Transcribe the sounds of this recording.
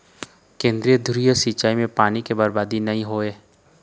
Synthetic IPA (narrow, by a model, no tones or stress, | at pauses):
kẽːnd̪ɾijəd̪ʱʊɾijəsiːt͡ʃaːimẽpaːnikebɐɾbaːd̪inɐɦĩɦoːeː